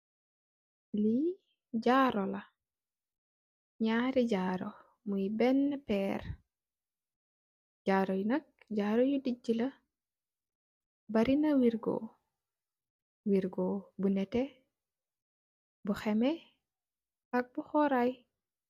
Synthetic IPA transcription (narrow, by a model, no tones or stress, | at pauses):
li | ɟaɾɔlɐ | ɲaːɾiɟaːɾɔ | mujbɛnːpɛːr | ɟaːɾɔjunɐk̚ɟaːɾɔjudiɟilɐ | bɐɾinɐwiɾɡɔ̰ | wiɾɡɔːbunɛtɛ | buxɛmɛ | ɐk̚buxɔɾaj